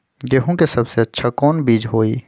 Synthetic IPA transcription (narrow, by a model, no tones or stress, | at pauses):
d̪eːɦõkesɐbseɐtːʃʰakɔːnbiːd͡ʒɦoːiː